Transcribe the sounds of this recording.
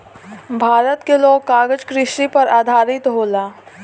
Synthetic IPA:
bʱaːɾət̪keloːɡ̚kaːɡəd͡ʒkɾɪʃipɐɾaːd̪ʱaːɾɪt̪ɦoːlaː

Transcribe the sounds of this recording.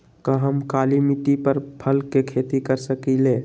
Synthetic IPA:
kəɦəmkaːlimiʈ̪ipəɾpʰəlkːekʰeːt̪ikəɾsəkileː

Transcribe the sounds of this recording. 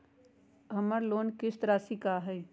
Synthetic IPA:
ɦɐmaɾloːnkɪst̪əɾasikaɦɛː

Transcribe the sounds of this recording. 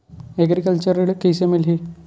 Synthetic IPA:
eɡɾikəlt͡ɕəɾiɭkəjsemilɦi

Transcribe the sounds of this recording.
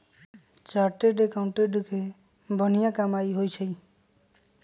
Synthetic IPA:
t͡ʃaɾʈeɖekawɳʈeɖukʰe | bʱɔnijakamajɦojt͡ʃʰəj

